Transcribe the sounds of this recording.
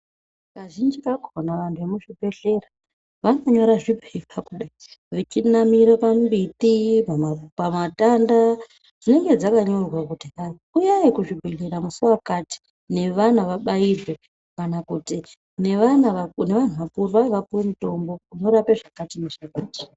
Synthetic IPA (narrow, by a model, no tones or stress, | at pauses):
kaʒind͡ʒikakonaʋantʰuʋemuʐibʱe̞ɬe̞ra | ʋaŋaɲo̞ɾaʐibʱebakuɗaiʋet͡ʃinamiɾapambitipapamatanda | d͡zine̞ŋɡe̞d͡zakaɲo̞rwakutia | ujaikuʐibʱeɮeɾamusuwakati̥ | ne̞ʋan̤uʋaɓairwe | kanakuti | neʋanaʋane̞ʋan̤uʋapurʋaʋapuwemito̞mbo̞kuno̞ɾapeʐakatineʐakaːti̥